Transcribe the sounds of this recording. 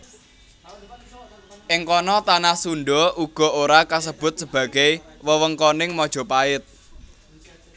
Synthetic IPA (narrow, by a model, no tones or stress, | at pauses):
ʔɪŋkɔnɔt̪anasunɖɔʔuɡ̥ɔ̤oɾakas̬əb̥ʊ̤t̪̚səb̥ä̤ɡ̥ɛjwəwəŋkɔnɪŋmɔd̥ʒ̥ɔ̤paɪt̪̚